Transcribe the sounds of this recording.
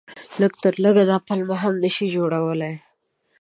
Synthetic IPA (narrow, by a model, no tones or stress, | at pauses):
ləɡt̪əɾləɡad̪ɑpalmaɦamnəʃid͡ʒoɽawəlaj